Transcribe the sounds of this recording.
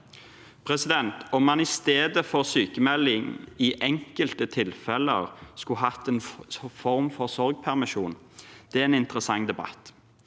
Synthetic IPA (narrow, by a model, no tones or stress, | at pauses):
pʰɾɛsɪd̪ɛnt̪ɔmːɑnɪst̪eːd̪əfɔɾsyːkəmɛlːɪŋɪʔɛŋkəlt̪ət̪ʰɪlfɛlə̰ɾskʊɦɑt̪ːeːnfɔɾmfɔʁsɔɾɡ̚pʰæʁmɪʃuːn | d̪̥ɛæeːnɪnt̪əɾəsɑŋd̪ɛbɑ̰t̪